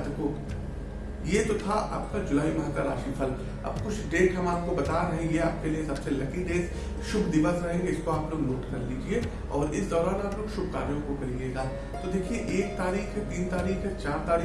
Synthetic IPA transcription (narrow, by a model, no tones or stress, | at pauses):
t̪koː | jet̪ot̪ʰaʔa̰ːp̚kad͡ʒʊlaːimɐɦə̃kaɾaːʃiːpʰɐl | ɐ̰bkʊt͡ʃʰɖeːʈɦɐmaːp̚kobɐt̪aɾɐɦẽːŋɡeaːp̚kelijesɐbselɐkiɖeːs | ʃʊbʱd̪ɪʋəsɾɐɦẽːŋɡeɪskoaːploːɡnoːʈkɐɾliːd͡ʒie | ɔːɾɪsd̪ɔːɾaːnaːploːɡʃʊb̚ʱka̰ːɾjõkokɐɾijeːɡaː | t̪od̪eːkʰieʔeːk̚t̪aːɾiːxɦɛt̪iːnt̪aːɾiːxɛt͡ʃaːɾt̪aːɾiː